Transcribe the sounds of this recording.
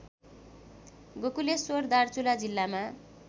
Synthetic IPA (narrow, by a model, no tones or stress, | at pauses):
ɡokulesord̪art͡sulad͡zilːama